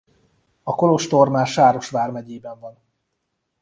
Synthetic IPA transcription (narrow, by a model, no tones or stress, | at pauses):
ɒko̞lo̞ʃt̪o̞rmaːʃaːɾo̞ʃʋaːrmɛɟeːbɛɱvɒn